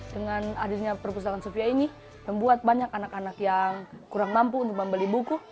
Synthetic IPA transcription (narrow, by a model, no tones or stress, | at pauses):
dəŋanadilɲapərpus̬akansofiaini | məmbuat̪̚baɲakanakanakjaŋkuɾaŋmampuːnt̪ʊk̚məmbəlibuku